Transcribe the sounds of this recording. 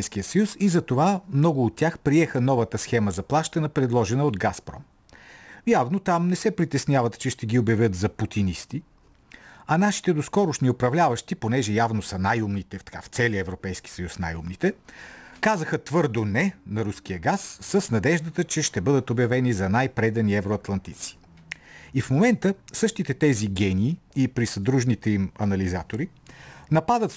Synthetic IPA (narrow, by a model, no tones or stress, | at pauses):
jsk̟ijəsɐjusizɐt̪ovamnɔɡʊːt̪ːʲaxpɾiɛxənɔvət̪əsxɛməzɐplˠaʃt̪ɐnɐpɾɛd̪lˠɔʒɛnəod̪ɡaspɾɔ̰m | javnot̪amnɛsɛpɾit̪ɛsnʲjavɐt̪t͡ʃɛʃt̪ɛɡʲiobjɐvʲɤt̪zɐput̪inist̪i | ɐnaʃi̥t̪ɛd̪oskɔɾʊʃniopɾɐvlʲavəʃt̪iponɛʒɛjavnosɐnajumnit̪ɛt̪ɐ̥ka̰ft̪sɛliəɛvɾopɛjsk̟i̥sɐjusna̰jṵmnit̪ɛkazəxət̪vɤɾd̪onɛnɐɾusk̟ijəɡasːəsnɐd̪ɛʒd̪ət̪ət͡ʃɛʃt̪ɛbɤd̪ət̪objɐvɛnizɐnajpɾɛd̪ɐniɛvɾoɐt̪lˠɐnt̪it̪si̥ | ifmomɛnt̪əsɤʃt̪it̪ɛt̪ɛziɡʲɛniː | ipɾisɐd̪ɾuʒnit̪ɛimɐnɐlizat̪oɾi | nɐpad̪ət̪